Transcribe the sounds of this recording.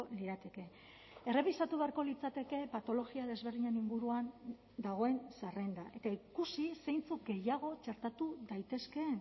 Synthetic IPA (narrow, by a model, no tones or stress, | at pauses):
oliɾat̪e̞ke̞ | e̞re̞β̞isat̪uβe̞aɾko̞lit͡sat̪e̞ke̞pat̪o̞lo̞ɣiaðe̞zβe̞ɾðiɲeniŋɡuɾuan | d̪aɣ̞o̞e̞nsarend̪aʔe̞t̪aikusise̞jnt͡suk̚ɡe̞jaɣ̞o̞t͡ʃe̞ɾt̪at̪uðajt̪e̞ske̞ːn